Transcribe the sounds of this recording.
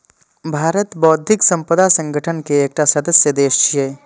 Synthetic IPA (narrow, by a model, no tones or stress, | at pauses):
bʱaːɾət̪bɔːt̪d̪ʱɪksə̃mpəd̪asə̃ŋɡəʈʰənkeːk̚ʈasəd̪əsjəd̪eːʃt͡ʃʰiɦeː